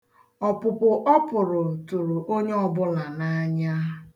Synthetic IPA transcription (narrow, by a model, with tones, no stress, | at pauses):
ɔ˨pʊ˨pʊ˨ʔɔ˦pʊ˨ɾʊ˨tu˨ɾu˨ʔo˦ɲe˦ɔ˨bʊ˦la˨na˦ɲa˦